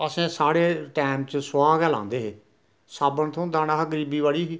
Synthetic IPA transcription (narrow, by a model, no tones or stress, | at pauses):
əsẽːsaːɽeːʈɛːmt͡ʃsaːɡɛːlã̰ːnd̪eːɦeː | saːbənt̪ʰõːnd̪aːnaːɦəɡəɾiːbiːʋaːɭiːɦiː